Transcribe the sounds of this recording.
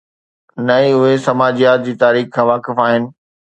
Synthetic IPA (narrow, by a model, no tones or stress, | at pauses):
nɐiʊɦesɐmaːd͡ʑijaːt̪̚d͡ʑiːt̪aːɾiːxkʰãːʋaːkɪfaːɦɪnɪ̆